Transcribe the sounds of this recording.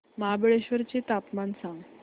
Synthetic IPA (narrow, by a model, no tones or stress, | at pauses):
maɦabəɭeɕʋəɾt͡ɕet̪apmansãŋɡ